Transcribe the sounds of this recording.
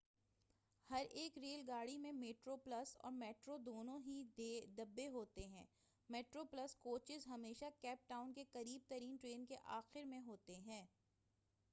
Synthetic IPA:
hɐɾeːkɾeːlɡaːɽimẽmeːʈɾoplɐsɔ̰ːɾmeːʈɾod̪oːnõɦided̪ɐbːeɦoːt̪eɦɛ̃ː | meːʈɾoːplɐskoːt͡ʃɪzɦɐmeːʃakɛːp̚ʈaːʊnkekɐɾiːb̚t̪ɐɾiːnʈɾeːnkeʔaːxɪɾmẽɦoːt̪eɦɛ̃ː

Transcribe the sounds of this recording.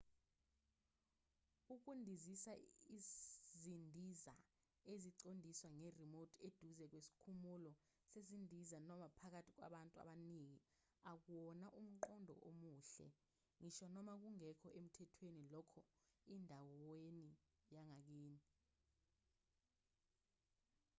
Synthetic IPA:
uk̬undʱizisaizindʱiza̰ | eziǀondʱiswaŋɛrimotʰed̥ʱuzɛk̬wesi̥kʰumulɔ | sezindʱizanɔmapʰak̬atʰik̬wa̰ɓantʼua̰ɓaniŋi | ak̬wɔnaʔum̩ǃɔndʱɔ̰ʔomuːɬɛ̰ | ŋiʃɔnɔmak̬uŋɛkʰɔʔem̩tʰɛtʰwenilɔkʰɔɛndʱaweni | jaŋak̬eːni

